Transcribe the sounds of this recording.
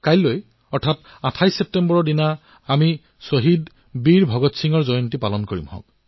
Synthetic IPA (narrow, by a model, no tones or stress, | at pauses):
kajloj | ɔɹtʰat | atʰajsep̚tembɔɹɔdinaː | mi | soɦid | biɹbʱɔɡɔtsiŋɔɹzɔjɔntipalɔnkoɹḭmhɔ̰̃k̚